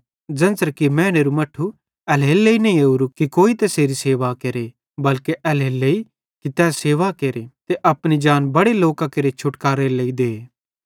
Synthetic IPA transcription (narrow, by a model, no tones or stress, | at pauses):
d͡ʒɐ̃nsəɾkimɛ̃ːneːɾumɐʈʰːu | ɛlɦeːlːeinɐĩeuɾukikoːit̪ɐseːɾiseːʋakeːɾe | bɐlkeʔɛlɦeːlːei | kit̪ɛːseːʋakeːɾet̪eʔɐpɽ̃id͡ʒaːnbɐɽeloːkãkɐɾet͡ʃʰʊʈkaːɾeleːid̪eː